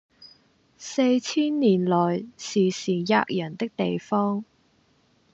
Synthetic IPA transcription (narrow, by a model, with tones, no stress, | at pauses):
se˧jt͡sʰiː˥nːiː˨˩nlɔː˨˩jsiː˨˩siː˨˩ja̰ː˧k̚jɐ˨˩nt̪ɪ˥k̚t̪e˨jfɔː˥ŋ